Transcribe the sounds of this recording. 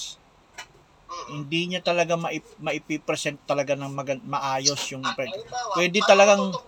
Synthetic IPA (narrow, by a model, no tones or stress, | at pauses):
hɪnd̪iɲat̪ɐlɐɡamɐʔɪmɐʔɪpɪpɾɛsɛnt̪t̪ːɐlɐɡanɐŋmɐɡɐmɐʔaːjosjʊŋpɾɛɡpwɛːd̪ɪt̪ɐlɐɡaŋ